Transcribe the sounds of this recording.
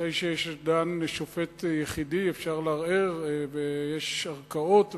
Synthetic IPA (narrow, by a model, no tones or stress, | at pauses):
ejʃejeʃdanʃofet̪jeχidiefʃaʁleaʁeʁvejeʃaʁkao̞t̪